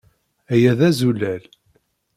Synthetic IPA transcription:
æjæðæzulæl

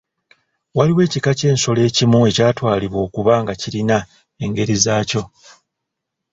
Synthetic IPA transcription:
waliwe̞ːcikace̞ːnso̞le̞ːcimue̞caːtwaːliβwo̞ːkuβaːŋɡaciɾina | e̞ŋɡe̞ɾizaːco̞

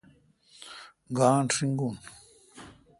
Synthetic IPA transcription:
ɡaːnʈ͡ʂʰiŋɡun

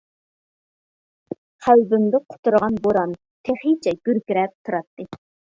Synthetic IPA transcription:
qʰælbymd̪ɪqʰʊ̥t̪uɾʁɑnboɾɑn | t̪ʰeχit͡ʃʰɛɡ̥ʲyɾkʲiɾɛp̚t̪ʰuɾɑt̪ːɨ

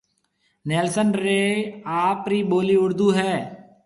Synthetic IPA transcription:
nɛːlsənɾeːaːpɾiːɓoːliːʊɽd̪uːɦɛː

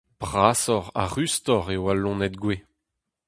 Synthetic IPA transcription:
b̥ʁaːsɔʁa̰ʁyst̪ɔʁewalɔ̃nɛt̪ɡwe

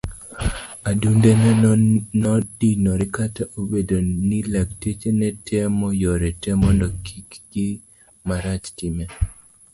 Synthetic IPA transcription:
adundenɛnɔdinɔɾɪkataʔobedonilaktet͡ʃenɛtʰɛmɔjɔɾɛtɛmɔndɔkikɡ̥ɪ | maɾat͡ʃtɪme

